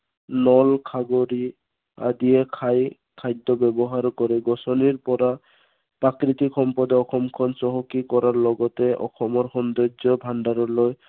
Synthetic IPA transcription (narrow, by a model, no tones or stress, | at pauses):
nɔlkʰaɡoɾi | a̰d̪iekʰaj | kʰajd̪ʱːɔbɛbɔɦaɾkɔɾɛɡɔsɔniɾpɔɾa | pɾakɾit̪ikʰɔmpɔd̪ɔɔxɔmkʰɔnsɔɦɔkikɔɾaɹlɔɡɔtɛʔɔ̰xɔmɔɾxɔnd̪ɔd͡ʒɔbʱaɳɖaɾɔloj